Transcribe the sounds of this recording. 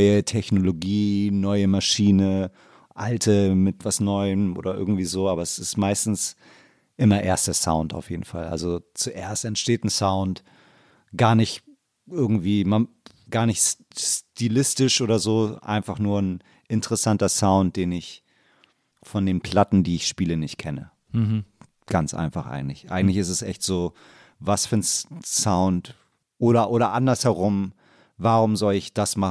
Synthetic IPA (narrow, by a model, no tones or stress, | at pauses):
ʏətʰɛçnoloɡiːnɔʏəmaʃiːnə | ʔaltʰəmɪtv̥asnɔʏəmʔo̰ːdɐʔɪ̰ɐɡŋ̩tv̥iːzoːʔaːbɐɛsɪstmaɪstn̩s | ʔɪmɐʔeːɐstɐsa̰ʊnta̰ʊfjeːdn̩fa̰lʔa̰lzot͡suʔeːɐstɛntʃteːtn̩saʊnt | ɡ̥aːɐnɪç | ʔɪɐɡŋ̩tv̥iːma | ɡ̥aːɐnɪçt | stiːlɪstɪʃʔoːɾɐzoːʔa̰ɪnfaχnuːɐn | ʔɪntəʁəsantɐsaʊnt̚d̥eːnɪç | fɔndeːnpʰl̥atn̩diːɪçʃpiːlənɪçt̚kʰɛnə̰ | ɡ̥ant͡sʔa̰ɪnfaχʔa̰ɪɡŋ̩tlɪçʔa̰ɪŋ̩tlɪçɪstɛsʔɛ̰çtz̥oː | vasfyːɐnsaʊnt | ʔoːɾɐʔoːɾɐʔandɐshɛʁʊm | vaʁʊmzɔlɪçd̥asma